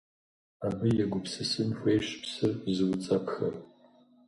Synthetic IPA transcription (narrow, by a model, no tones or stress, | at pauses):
abɨjɛɡʷʊpʰsɨsɨnxʷeːʃpʰsɨrzɨwʊt͡sʼapʰxɐ̰r